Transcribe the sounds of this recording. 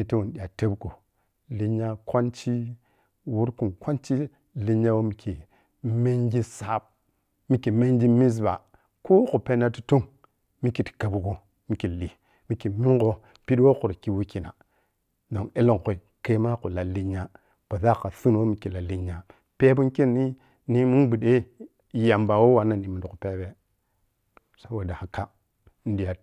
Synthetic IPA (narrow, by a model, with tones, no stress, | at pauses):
mi˨ti˦wu˨nɗi˨a˨te˦bko˨ | li˦ɲa˦kwa˦nt͡ʃi˦ | wu˦ɾku˨nkʷa˦nt͡ʃi˦ | li˦ɲa˦wo˦mi˨kʰi˨ | me˦ŋɡi˦sa˨˦b̚ | mi˨ki˨me˦ŋɡi˦mi˦s̬ba̰˨ | ko˦ku˨pe˦na˦ti˦to˦ŋ | mi˦ki˨tka˨bu˨ɡo˦ | mi˨˦ki˨li˨ | mi˨ki˨mi˦ŋɡo˦ | pi˦dwo˦ku˨ɾki˦wu˦ki˨na̰˨ | do˨ŋe˦lo˦˨ŋ˨ko˨i˨ | ke˦ma˦ku˨la˨lːi˦ɲa˦ | b̥a˨ða˦˨ka˨su˦n˨wo˦mi˨ki˨la˨lːi˦ɲa˨ | pe˦bu˦ki˦˨ni˦ | ni˦mu˦nbu˨ɗe˦˨ | ja˨mba˨wo˦wa˨na˦˨ni˨mu˨du˨pe˦be˦ | sa˦wa˨da˨ha˨ka˦ | n˦di˨ja˨